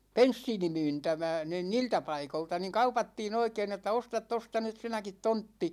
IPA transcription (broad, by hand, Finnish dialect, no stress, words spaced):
pensːiːnimyːntæmæ niːn niːltæ pɑikoltɑ ni kɑupɑtːiːn oikein etːæ ostɑt tostɑ nyt sinækit tontːi